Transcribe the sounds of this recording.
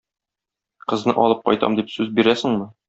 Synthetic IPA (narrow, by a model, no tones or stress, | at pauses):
qɤ̆znɤ̰ʔɒlˠɤp̚qɒ̰jt̪ɑ̰md̪ipsʉzbiɾæsɘ̆ŋmɤ